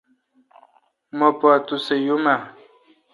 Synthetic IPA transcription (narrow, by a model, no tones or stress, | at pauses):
mopoat̪usejuma